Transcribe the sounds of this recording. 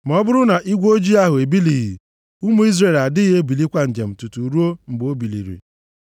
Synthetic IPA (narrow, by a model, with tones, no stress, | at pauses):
m˨ɔ˦bʊ˦ɾʊ˦na˨ʔi˦ɡʷo˦d͡ʒi˦a˦ɦʊ˨e˨bi˦li˨ɦḭ˨ | u˦mu˦i˦zɾe˨la˨dɪ˦ɣe˦bi˨li˦kʷa˦n̩˨d͡ʒe˨m̩˨tu˨tu˨ɾu˦o˦m̩˨ɡ͡bo˦bi˨lḭ˨ɾḭ˨